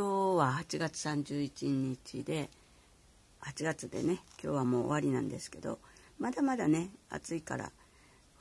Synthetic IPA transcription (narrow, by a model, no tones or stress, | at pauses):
koːβahat͡ɕiɡat͡sɨ̥sãɲ̟d͡ʑɨːit͡ɕiɲ̟it͡ɕid̪e̞ | hat͡ɕiɡat͡sɨd̪e̞̰ne̞kʲo̞̰ːβamo̞ːo̰aɾʲinãnd̪e̞sɨ̥ke̞d̪o̞̰ | mad̪amad̪ane̞a̰t͡sɨika̰ɾa̰